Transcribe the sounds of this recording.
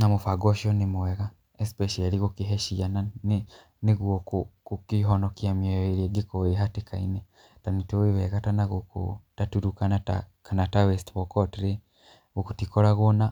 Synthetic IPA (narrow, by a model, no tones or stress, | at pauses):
namofaɡɔʃiɔnimuwɛɣa | espɛʃaliɣokiɦɛʃianan | neɣwɔkukukiɦɔnɔkiamɛeɾieɡekoeɦatekainɛ | tanitoweβɛɣatanaɣoko̰tatuɾukanata̰kanatawɛstβɔkɔtɾe | ɣokutikɔɾaɣona